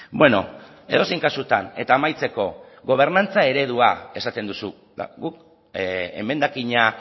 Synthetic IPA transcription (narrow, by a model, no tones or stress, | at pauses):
bwe̞no̞̰ | e̞̰ð̞o̞sijŋkasut̪ane̞t̪aːmajt͡se̞ko̞ | ɣo̞β̞e̞ɾnant͡sae̞ɾe̞ð̞uae̞sat̪e̞nd̪usu | a̰ɡuk | ḛme̞nd̪akiɲa